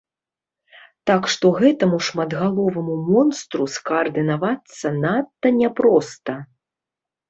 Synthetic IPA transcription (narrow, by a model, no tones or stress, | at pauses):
t̪akʂt̪ɔɣɛt̪ɐmuʂmɐd̪ɣalˠɔvɐmumɔnst̪ɾuskɐːrd̪ɨnavat̪sːɐnat̪ːɐnʲɛpɾɔst̪ɐ